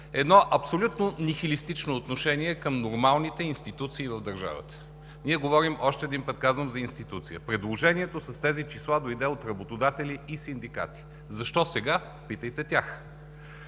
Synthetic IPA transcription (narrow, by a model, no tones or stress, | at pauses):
ɛd̪nɔʔɐpsolʲut̪nonixilist̪it͡ʃnoːt̪noʃɛniɛkəmnoɾmalˠnit̪ɛinst̪it̪ut̪siːvɐvd̪ɐɾʒa̰və̰t̪ə̥ | niɛɡovɔɾimʔɔʃt̪ɛːd̪inpət̪̚kazvəmzɐinst̪it̪ut̪sijəpɾɛd̪lˠoʒɛniɛt̪osɐst̪ɛzit͡ʃislˠad̪oid̪ɛot̪ɾɐbot̪od̪at̪ɛlʲiːsind̪ika̰t̪i̥ | zɐʃt̪ɔsɛɡa | pit̪əjt̪ɛt̪ʲax